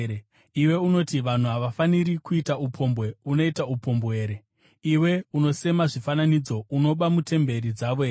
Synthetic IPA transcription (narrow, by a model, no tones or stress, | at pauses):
iwe̞uno̞tiʋan̤uɦaʋafaniɾikuitaupʰo̞mbwe̞uno̞itaupo̞mbwe̞ːɾe̞ | iwe̞uno̞se̞maʐifananid͡zo̞uno̞ɓamutʰe̞mbe̞ɾid͡zaːʋoe